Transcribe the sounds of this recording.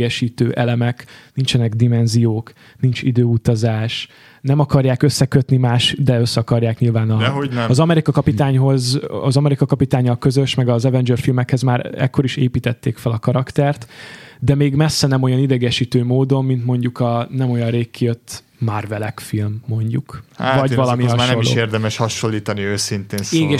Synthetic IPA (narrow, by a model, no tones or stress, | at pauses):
ɛʃiːt̪øːʔɛlɛmɛknint͡ʃɛnɛɡd̪imɛnzijoːk | nint͡ʃid̪øːut̪ɒzaːʃ | nɛmɒkɒrjaːkøsːɛkøt̪nimaːʃd̪ɛøsːɛɒkɒrjaːkɲilvaːnɒɒzɒmɛɾikɒkɒpit̪aːɲɦo̞zɒ̰zɒmɛɾikɒkɒpit̪aːɲːɒlkø̞zø̞ʃmɛɡɒzɛvɛnd͡ʒørfilmɛkhɛzmaːɾɛ̰kːo̞ɾiʃeːpiːt̪ɛt̪ːeːkfɛlɒkɒɾɒkt̪ɛrt̪d̪ɛmeːɡmɛsːɛnɛmo̞jɒnid̪ɛɡɛʃit̪øːmoːd̪o̞mːint̪mo̞ɲɟukɒnɛmo̞jɒnreːkːijøt̪ː | marvɛlɛkfilmːo̞ɲɟukhvɒɟvɒlɒmiɦɒʃolːo̰ːeːrd̪ɛmɛʃhɒʃo̞lːiːt̪ɒniøːsint̪eːnseːɡɛ